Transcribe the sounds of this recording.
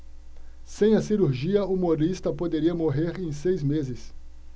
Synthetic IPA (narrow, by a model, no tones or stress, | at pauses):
sẽj̃ɐsiɾuɾʒiɐumoɾist̪ɐpod̪eɾiɐmoɦeɾẽj̃sejzmezɪs